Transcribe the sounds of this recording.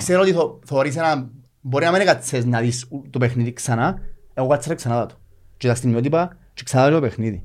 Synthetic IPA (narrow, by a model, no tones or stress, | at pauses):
kseɾoot̪iθoθeoɾis̬ena | bo̞ɾinamenekat͡sːesnɐðist̪opexniðiksɐnaeɣokat͡sːeɾɐksɐnaðɐt̪u̥ | t͡ʃet̪ast̪imːiot̪̬ipɐ | t͡ʃe̥ksanaðɐt̪ɾt̪opexniði